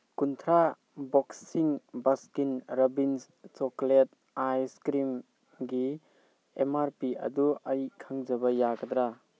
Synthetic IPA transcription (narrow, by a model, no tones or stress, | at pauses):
kunt̪ʰɾa | bɔksiŋbaskinɾɔbins | t͡ʃɔklet̚ | ajskɾim | ɡi | emaɾpiɐ̰duɐjkʰaŋzɐbɐjaɡɐd̪ɾa